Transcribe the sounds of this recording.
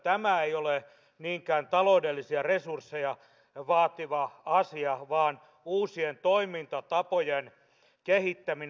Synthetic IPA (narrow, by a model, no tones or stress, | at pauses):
t̪æmæeijole | niːŋkæːnt̪ɑloudelːisiɑresursːejɑ | ʋɑːt̪iʋɑɑsiɑʋɑːn | uːsient̪oimint̪ɑt̪ɑpojen | kehit̪ːæmin